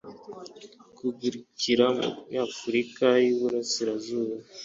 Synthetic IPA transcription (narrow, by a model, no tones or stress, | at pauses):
kuɡuɾiciɾaafuɾikajuβuɾasiɾazuːβa